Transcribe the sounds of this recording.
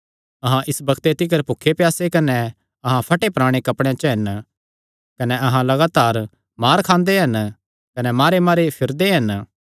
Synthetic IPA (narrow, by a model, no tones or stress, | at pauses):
ɐɦãʔɪsbɐkʰt̪et̪ɪk̬əɾpʊkʰːepjaːsekɐnɛ | ɐɦãpʰɐʈepɾaːɽ̃ekɐpɽ̃jẽt͡ʃɦɐn | kɐnɛʔɐɦãlɐɡaːt̪aːɾ | maːɾkʰãːnd̪eɦɐn | kɐnɛmaːɾemaːɾepʰɪɾd̪eɦɐn